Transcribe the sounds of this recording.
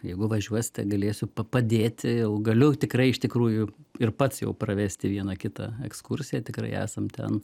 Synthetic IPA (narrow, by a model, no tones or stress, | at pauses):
jɛɪɡʊʋɐʒʲuɔsʲɪ̥t̪ʲɛɡɐlʲeːsʲʊpɐpɐd̪ʲeːt̪ʲɪjɛʊɡɐlʲʊt̪ʲɪkrɐɪɪʃt̪ʲɪkɾuːjʊɪrpɐt̪sjɛ̰ʊprɐʋʲæːsʲt̪ʲɪʋʲiɛnɐkʲɪt̪ɐ̰ɛkskʊrʲsʲɪjɛt̪ʲɪkɾɐ̰ɪæ̰ːsɐmt̪ʲɛ̰n